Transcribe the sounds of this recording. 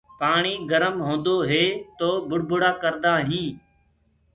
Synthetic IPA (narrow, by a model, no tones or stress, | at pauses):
paːɳiːɡəɾəmɦõːnd̪oːɦeːt̪oːbʊɽbʊɽaːkəɾd̪aːɦĩː